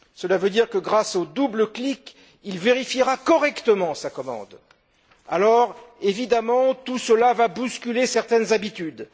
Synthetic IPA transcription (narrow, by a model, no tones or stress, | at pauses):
səlavød̪iʁkəɡʁasod̪ubləklik | ilveʁifiʁakɔʁɛkt̪əmɑ̃sakɔmɑ̰̃d̪ | a̰lɔʁevid̪amɑ̃t̪usəlavabuskʲylesɛʁt̪ɛnzabit̪yd̪